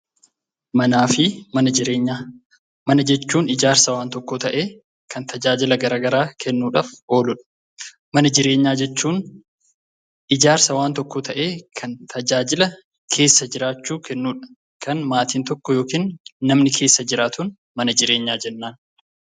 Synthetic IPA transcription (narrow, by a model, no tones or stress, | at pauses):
mɐnaːfɪmɐnɐɪɾeːɲː | mɐnɐd͡ʒɛt͡ʃːuːnɪd͡ʒaːɾsɐwaːnt̪ɔkːɔt̪ɐʔe̞ː | kʰɐnt̪ʰɐd͡ʒaːd͡ʒɪlɐɡɐɾaːɡɐɾaːkʰɛnːuːᶑaːfo̞ːlʊᶑɐ̥ | mɐnɐd͡ʒɪɾe̞ːɲːaːd͡ʒɛt͡ʃːuːn | ʔɪd͡ʒaːɾsɐwaːnt̪ɔkːɔt̪ʰɐʔe̞ːkʰɐnt̪ʰɐd͡ʒaːd͡ʒɪlɐ | kʰe̞ːsːɐd͡ʒɪɾaːt͡ʃːuːkʰɛnːuːᶑɐ̥ | kʰɐnmaːt̪iːnt̪ɔkːɔjo̞ːkiːnːɐmnɪkʰe̞ːsːɐd͡ʒɪɾaːt̪ʊn | mɐnɐd͡ʒɪɾe̞ːɲːaːd͡ʒɛnːaːn